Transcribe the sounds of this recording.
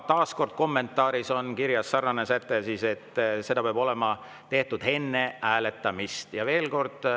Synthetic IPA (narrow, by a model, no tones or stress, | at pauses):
t̪ɑːsko̞rd̪̥̚ko̞mːe̞nt̪ːˑɑːɾiso̞nkiɾjɑsːɑrːɑnesæt̪ːˑesiːse̞t̪ːˑse̞d̪ɑpeɑb̥o̞le̞mɑ | t̪e̞ht̪ud̪̥he̞nːe̞ʔæːle̞t̪ːˑɑmist̪jɑve̞ːlko̞rd̪̥